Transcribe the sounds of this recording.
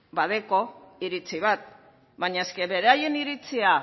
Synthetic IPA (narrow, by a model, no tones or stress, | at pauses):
bað̞e̞ko̞iɾit͡siβ̞at̪̚ | baɲae̞ske̞βe̞ɾeaje̞niɾit͡sia